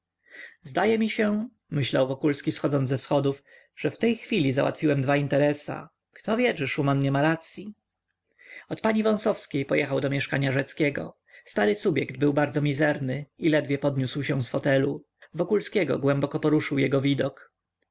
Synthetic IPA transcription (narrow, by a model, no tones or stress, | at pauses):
zd̪ajɛmʲiɕɛ | mɘɕlawvɔkulskʲisxɔd̪zɔnzɛfsxɔd̪uf | ʐ̥ɛft̪ɛjxfʲilʲizawa̰t̪fʲiwɛmd̪vaint̪ɛɾɛsa̰ | kt̪ɔvʲjɛt͡ʂɛʂumanɲɛmaɾat̪sʲji | ɔt̪paɲivɔ̃sɔfskʲejpɔjɛxawd̪ɔmʲjɛʂkaɲaʐɛt̪skʲɛɡɔ̰ | st̪aɾɘsubʲjɛɡd̪̚bɘwbaɾd̪zɔmʲizɛɾnɘilɛd̪vʲjɛpɔd̪ɲuswɕɛ̃sfɔt̪ɛlu | vɔkulskʲɛɡɔ̰ɡwɛmbɔkɔpɔɾuʂɘwjɛɡɔvʲid̪ɔk